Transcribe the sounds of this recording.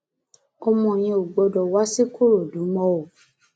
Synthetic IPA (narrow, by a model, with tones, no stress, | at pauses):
ɔ˧mɔ̃˨j̃ĩ˧o˨ɡ͡bɔ˧dɔ˨wa˨˦se˦ko˦ɾo˨dũ˨˦mɔ̃˧˦o˨